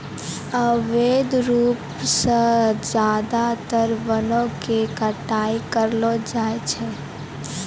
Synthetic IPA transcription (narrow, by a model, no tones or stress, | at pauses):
əʋeːd̪ɾuːp | sed͡ʒaːd̪at̪əɾʋənõkekəʈaːikəɾlod͡ʒaːet͡ʃʰɛ